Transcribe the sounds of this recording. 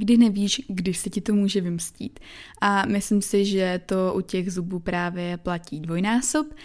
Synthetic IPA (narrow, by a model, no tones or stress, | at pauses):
ɡdɪnɛviːʃɡdɪsɛcɪt̪o̞muːʒɛvɪmscḭːt̪ʔamɪslɪmsɪʒɛt̪o̞ʔucɛɣzubuːpɾaːvjɛplaciːdvo̞jnaːsop